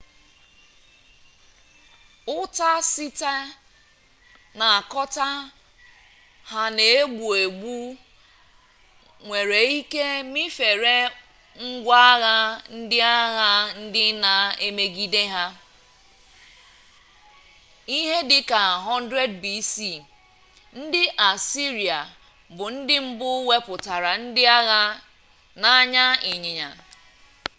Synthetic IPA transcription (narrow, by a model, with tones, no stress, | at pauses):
ʊ˦ta˦sɪ˦ta˦ | na˨a˨kɔ˦ta˦ | ha˦ne˨e˦ɡ͡bu˨e˨ɡ͡bu˦ | ŋʷe˨ɾe˨i˦ke˦mɪ˦fe˨ɾe˦ | ŋ̩˦ɡʷa˦ɣa˦n̩˦dɪ˦a˦ɣa˦n̩˦dɪ˦na˨e˦me˦ɡi˦de˦ɦa˦ | i˦ɦe˦dɪ˨ka˨ɦɔ˦n˦dɾe˦dbi˦si˦˨ | n̩˦dɪ˦ʔa˨si˦ɾi˨a˨ | bʊ˨n̩˦dɪ˦m̩˦bʊ˦we˦pʊ˨ta˨ɾa˨n̩˦dɪ˦a˦ɣa˦ | na˦ɲa˦ɪ˨ɲɪ˨ɲa̰˨